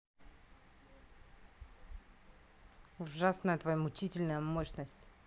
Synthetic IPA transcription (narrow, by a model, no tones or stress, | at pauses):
ʊʐasnəjət̪vɐjamʊt͡ɕitʲɪlʲnəjəmoɕnəsʲtʲ